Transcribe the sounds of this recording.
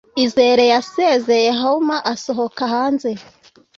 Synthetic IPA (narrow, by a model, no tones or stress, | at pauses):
ize̞ɾejaseze̞jeɦaumaʔaso̞ɦokahaːnze̞